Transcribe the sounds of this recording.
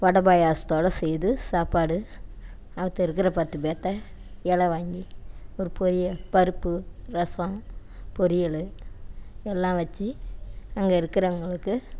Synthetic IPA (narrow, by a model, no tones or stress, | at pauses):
ʋɐɽɐbaːjaːst̪oːɽɐsɛjðɯsaːpaːɽɯ | ɐʋɐt̪ːɐɪɾɯkːɪɾɐpɐt̪ːɯbeːt̪ːɐ | ɛɭɐʋaːŋɡiɔɾɯpɔɾɪjɐpɐɾɯpːɯɾɐsɐ̃ | pɔɾɪjɐɭɯ | ɛlːãːʋɐt͡ʃːiɐŋɡeɪɾɯkːɪɾɐʊŋɡɐɭɯkːɯ